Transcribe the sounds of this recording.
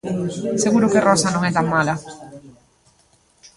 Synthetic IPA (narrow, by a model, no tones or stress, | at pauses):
seɣuɾʊkerɔsanõŋɛt̪aŋmala